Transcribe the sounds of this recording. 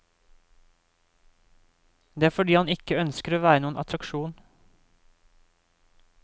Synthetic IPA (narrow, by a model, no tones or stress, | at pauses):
d̪eːæːfɔɖiːhɑnɪkəœnskəɾoːʋæːɾənuːənʔɑ̰t̪ʰɾɑkʃuːn